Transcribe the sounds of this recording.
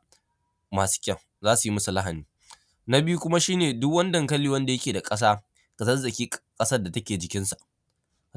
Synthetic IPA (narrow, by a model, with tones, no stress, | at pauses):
maː˨su̥˦kʲʼɐ˦˨w | zaː˦su˨ji˦mɐ˦su˨lɐ˦ɦa˨niː˦ | na˦bɪ˦ju˦kʷʊ˦ma˦ʃiː˦neː˨dʊ˦kwɐ˦ndɐ˨ŋkɐ˦lːiː˦wɐ˦nda˨jɐ˦kʲeː˨da˨kʼɐ˦s̬aː˦ | kɐ˨sɐ˦rzɐ˨kʲiː˦kʼɐ˦sɐ˦rda˨tɐ˦kʲeː˨d͡ʒɪ˨kʲɪ˦nsa˨ʔ